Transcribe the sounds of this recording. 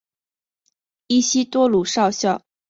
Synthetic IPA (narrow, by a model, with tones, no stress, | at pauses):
i˥˩ɕi˥t̪wɔ˥lu˨˩ʂɑ˥˧ʊɕjɑ˥˩ʊ